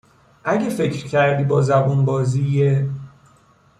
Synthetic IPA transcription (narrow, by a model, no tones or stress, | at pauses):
ʔæɟefe̞cʰɾcʰæɾd̪iːbɒːzæbunbɒːziːje